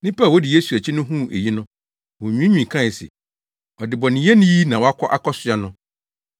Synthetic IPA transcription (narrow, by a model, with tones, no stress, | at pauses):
nɪ̃˦pa˦˨wɔ˦dɪ˨je˦su˨æ˨t͡ɕʰɪ˦nʊ̃˦ɦũ˦˨ʔḛ˨ji˦nʊ̃˦ | wo˨ɲᶣĩ˦ɲᶣĩ˨kʰã˦˨sɛ̰˨ | ɔ˨dɪ˨bɔ˨nɪ̃˨˦ɛ˦nĩ˦ji˦nã˨wɔ˨˦a˦kʰɔ˦ʔa˦kʰɔ˦sʊ˨a˦nʊ̃˦